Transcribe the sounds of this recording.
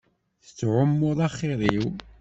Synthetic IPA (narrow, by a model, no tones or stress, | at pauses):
θət͡sːʕʊmːʊðˤɑχiðˤiw